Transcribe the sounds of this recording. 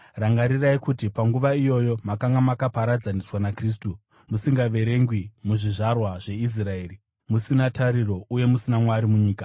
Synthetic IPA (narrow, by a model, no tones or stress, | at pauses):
raŋɡaɾiraikutipaŋɡuʋaijo̞jo̞makaŋɡamakapaɾad͡zaniswanakriːs̬tu | musiŋɡaʋe̞ɾe̞ŋɡwimuʐiʐarwaʐe̞is̬rae̞ːri | musinataɾiro̞uje̞musinamwaɾimuɲiːkḁ